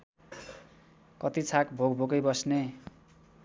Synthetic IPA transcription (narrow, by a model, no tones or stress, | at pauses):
kʌt̪it͡sʰakbʱoɡbʱoɡʌjbʌsne